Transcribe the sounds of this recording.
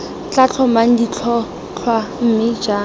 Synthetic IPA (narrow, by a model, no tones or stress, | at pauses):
t͡ɬat͡ɬʰɔmaŋ̩dit͡ɬʰɔ | t͡ɬʰwam̩mɪd͡ʒaː